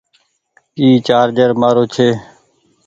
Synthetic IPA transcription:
iːt͡ʃaːɾd͡ʒəɾmaːɾoːt͡ʃʰeː

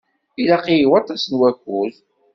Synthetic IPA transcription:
ilaqijiwɑt̪ˤːɑsənwækʷːul

